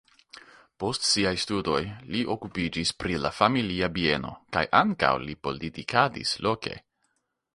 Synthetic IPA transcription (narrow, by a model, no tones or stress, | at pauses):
po̞stsiajstudo̞jliʔo̞kupid͡ʒispɾilafamiliabie̞no̞̰ka̰jʔaŋka̰wlipo̞litikadḭslo̞ke̞̰